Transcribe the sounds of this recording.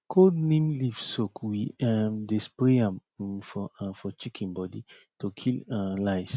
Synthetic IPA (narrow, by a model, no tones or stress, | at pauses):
kʰodnẽmlivsokʰwiadespɹeãmfɔfɔt͡ʃikʰĩnbɔdi | tʰokʰilalaɪs